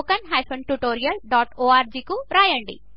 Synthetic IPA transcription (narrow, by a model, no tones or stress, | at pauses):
kɐnɦɐjpʰɐɳʈuʈoːɾijɐlɖaːʈoːaːɾd͡ʒiːkuɾaːjɐɳɖḭ